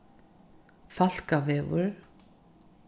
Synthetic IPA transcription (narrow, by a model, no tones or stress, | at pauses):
fal̥kavɛːvʊ̰ɾ